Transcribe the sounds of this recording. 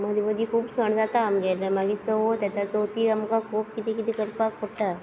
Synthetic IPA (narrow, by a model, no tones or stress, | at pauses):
məd̪ʱiʋəd̪ikʰuːbsəɳd͡zat̪aːmɡɛɾəmaɡiːt͡səɦot̪jat̪at͡sot̪iːamkakʰop̚kit̪ikit̪ikəɾpakpʰoʈa